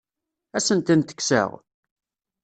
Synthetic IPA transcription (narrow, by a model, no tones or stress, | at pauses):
æsənt̪ənt̪ə̥kːsə̰ʁ